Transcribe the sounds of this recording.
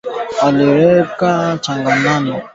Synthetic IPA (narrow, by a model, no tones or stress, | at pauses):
aleɾɛkat͡ʃãŋɡanãnĩ